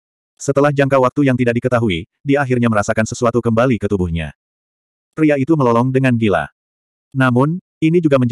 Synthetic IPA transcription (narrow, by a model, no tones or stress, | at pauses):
sət̪əlahd͡ʒaŋkawak̚t̪ujaŋt̪idak̚dikət̪aɦui | diaɦirɲaməɾasakansəsuat̪ukəmbalikət̪ubuhɲa̰ | riait̪uməlɔlɔŋdəŋanɡila̰ | namʊn | inid͡ʒuɡaməɲd͡ʒ